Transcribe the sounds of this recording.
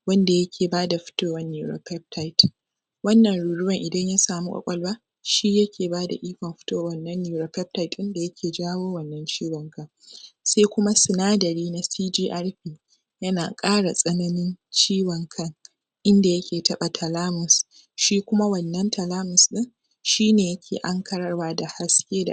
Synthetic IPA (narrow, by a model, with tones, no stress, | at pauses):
wɐ˦nda˨jɐ˦kʲʰeː˨baː˦da˨ɸɪ̥˦toː˦wɐ˨nːiː˨ɾo̰˨pɛ˦p̚tʰa˦jt | wɐ˦nːɐ˨nɽuː˨ɽʊ˦wɐ˨ŋʔɪ˨dɐ˦ɲja˦saː˨mu˦kʼɐ̰˨kʷʼɐ˦lwaː˦ | ʃi˦jɐ˦kʰʲeː˨baː˦da̰˨ʔiː˦kʷɐ˨mɸɪ̥˦toː˦˨wɐ˦nːɐ˦nːiː˨ɾoː˨pɛ˦p̚ta˨jtʔɪ˦nda˨jɐ˦kʲʰeː˨d͡ʒaː˦woː˦wɐ˨nːɐ˦nt͡ʃiː˦wɐ˨ŋkʰɐ˦ŋ | sa˦jkʷʊ˦ma˦sɪ˨naː˦dɐ˨ɾiː˦na˦siː˦d͡ʒiː˦ʔa˦rɸiː˨ | jɐ˦na̰ː˨kʼaː˦ɽa˨sʼɐ˦nɐ˦nɪ˦nt͡ʃiː˦wɐ˨ŋkʰɐ˦ŋ | ʔɪ˦nda˨jɐ˦kʲʰeː˨tɐ˦ɓa˨tʰɐ˨laː˦mʊ˨s | ʃiː˦kʷʊ˦ma˦wɐ˨nːɐ˦ntʰɐ˨laː˦mʊ˨snɪ˦ŋ | ʃiː˦neː˨jɐ˦kʲʰḛː˨ʔa˦ŋkɐ˦ɽɐ˦rwaː˦da˨ha˦skʲeː˦da̰˨